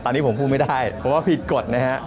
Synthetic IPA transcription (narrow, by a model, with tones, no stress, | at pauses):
t̪ɔː˧nːiː˦˥pʰmpʰuː˥˩ma˥˩jda˥˩jpʰɔ˨˦waː˥˩pʰi˨˩t̪̚ko˨˩t̪̚na˦˥kʰa˦˥